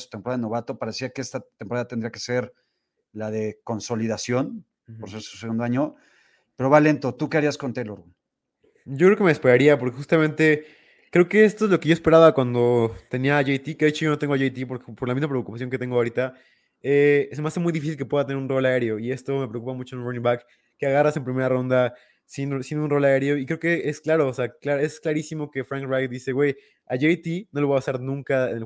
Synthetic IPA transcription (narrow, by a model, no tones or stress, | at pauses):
su̥t̪empoɾaðaðeno̞βat̪o̞paɾesiakeest̪at̪empoaðat̪end̪ɾiake̥se̞ɾ | laðe̞ko̞nso̞liðasjo̞n | poɾse̞ɾsu̥seɣund̪o̞aɲo̞ | pe̞ɾo̞βale̞nt̪o̞t̪ukeaɾiasko̞nt̪eloɾun | o̞kɾeokemespeɾaɾiapoɾke̞xust̪amẽ̞nt̪e̞ | kɾe̞oke̞est̪o̞ezlo̞keʝo̞espe̞ɾaβakwand̪o̞t̪e̞niaːʝejt̪ikeðet͡ʃo̞ʝo̞noeŋɡoaʝejt̪ipo̞ɾkepo̞ɾlamizmapɾeokupas̬jo̞ŋk̬et̪e̞ŋɡoaoɾit̪a | esemease̞mujðifisilk̬e̞pwe̞ðat̪ene̞ɾunro̞laeɾjo̞ie̞st̪o̞me̞pɾeokupamut͡ʃononĩbakː | eaɣarase̞mpɾime̞ɾaro̞nd̪a | sinsinunro̞laeɾjo̞ikɾeoke̞esklaɾo̞ːseaklae̞sklaɾisimo̞ke̞fɾãŋkrajd̪ise̞ɣwe̞j | aʝejt̪ino̞loapasaɾnũŋkaen